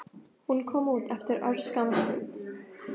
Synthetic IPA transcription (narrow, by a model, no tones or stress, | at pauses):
hʊnkʰɔmuːt̪ʰɛft̪əɾœɾskamaslɪ̰t̪